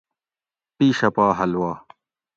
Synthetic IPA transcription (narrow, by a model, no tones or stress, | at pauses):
piːɕɐpaːɦɐlwaː